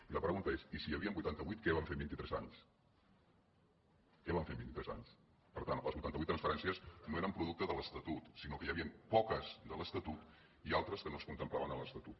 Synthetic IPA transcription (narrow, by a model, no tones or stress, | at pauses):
iləpɾəɣunt̪əesisijəβiəmbujt̪ant̪əβujt̪̚kɛβaɱfembint̪it̪ɾɛzaɲs | kɛβaɱfenmbint̪it̪ɾɛza̰ɲs | pəɾt̪anləzβujt̪ant̪βuit̪ːɾənsfəɾɛnsiəsnoeɾəmpɾuðuk̚t̪əzðələst̪ət̪ut̪sinokəjəβiənpɔkəzd̪ələst̪ət̪ut̪ | ialˠt̪ɾəskənoəskunt̪əmplaβənələst̪ət̪ut̪̚